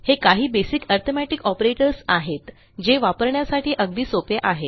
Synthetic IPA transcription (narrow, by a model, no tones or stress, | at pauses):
hekaɦiːbesikəɾt̪ʰomæʈikɔpɾeʈəɾsaɦet̪ | d͡ʑeʋapəɾɳjasaʈʰiːʔəɡd̪iːsopeʔaɦet̪